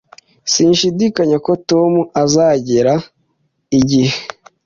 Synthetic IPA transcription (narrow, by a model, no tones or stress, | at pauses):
siːnʃidikaɲako̞tomuʔazaɟeɾa | iɟihe